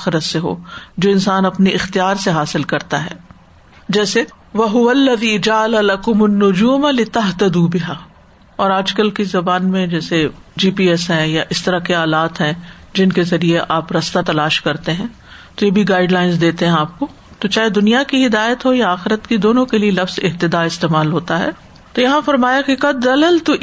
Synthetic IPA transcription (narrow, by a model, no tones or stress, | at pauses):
aːxɪɾət̪seɦo̰ːd͡ʒoːɪ̃nsaːnɐpniʔɪxt̪ijaːɾseɦaːsɪlkɐɾt̪aɦɛ̰ː | d͡ʒɛːse | ʋɐɦʊʋɐlːɐðiːd͡ʒaʕalalɐkʊmʊnːʊd͡ʒuːmalɪt̪ɐɦt̪ɐd̪ubɪɦaː | ɔːɾaːd͡ʒkəlkizɐbaːnmẽd͡ʒɛːsed͡ʒiːpiːɛsɦɛ̃jaʔɪst̪ɐɾakeaːlaːt̪ɦɛ̃d͡ʒɪnkezɐɾieʔaːpɾɐst̪at̪ɐlaːʃkɐɾt̪eɦɛ̃ː | t̪ojebʱiɡaːɪɖlaːɪnz̬d̪eːt̪eɦɛ̃aːp̚ko | t̪ot͡ʃaːɦed̪ʊnijakiɦɪd̪aːjət̪ɦojaaːxɪɾət̪kid̪oːnõkelielɐfz̥ɪɦt̪ɪd̪aɪst̪eːmaːlɦoːt̪aɦɛ̰ː | t̪ojɐɦãfɐɾmaːjakikɐd̪ːɐləlt̪ʊ